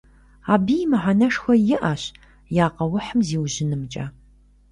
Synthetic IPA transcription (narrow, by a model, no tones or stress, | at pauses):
aːbiːjmɨʕanɐʂxʷɔjɪʔaːɕ | jaːqɐwʊħəmziːwʑɪnɨmt͡ʃʼa̰ː